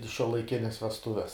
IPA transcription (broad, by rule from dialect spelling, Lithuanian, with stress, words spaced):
ɪ ʃʲuɔlˠɐɪˈkʲɪnʲɛs ʋʲɛsˈtʊʋʲɛs